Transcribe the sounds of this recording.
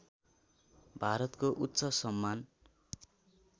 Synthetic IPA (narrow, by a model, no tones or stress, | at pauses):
bʱaɾʌt̪koʔut̪ːsʌsʌmːan